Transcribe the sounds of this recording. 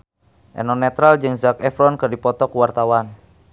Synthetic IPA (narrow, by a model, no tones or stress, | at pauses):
ʔɛ̰nɔnɛt̪ɾald͡ʒɨŋzakɛfɾɔnkɨrdipɔt̪ɔkuwart̪awan